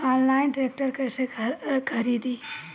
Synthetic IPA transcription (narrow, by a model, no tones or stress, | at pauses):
ɔːnlaɪnʈɾeːk̚ʈəɾkɐsekʰɐɾiːd̪i